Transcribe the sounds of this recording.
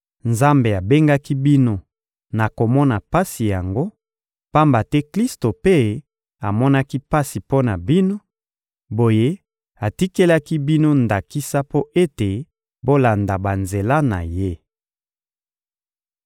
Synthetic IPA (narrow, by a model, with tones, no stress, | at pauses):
nza˦mbe˨a˨be˦ŋɡa˦ki˦bi˦no˦ | na˨ko˨mɔ˦na˨pa˦si˨ja˨ŋɡo˦ | pa˦mba˨tɛ˦kli˦sto˨pe˦ | a˨mɔ˦na˦ki˦pa˦si˨po˦na˨bi˦no˦ | bo˨je˦ | a˨ti˦ke˦la˦ki˦bi˦no˦nda˨ki˦sa˦po˦ʔe˦te˨ | bo˦la˨nda˨ba˨nze˨la˦na̰˨je˦